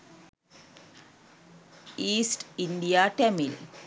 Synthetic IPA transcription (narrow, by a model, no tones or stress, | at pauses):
iːsʈiɳɖijaʈɛmil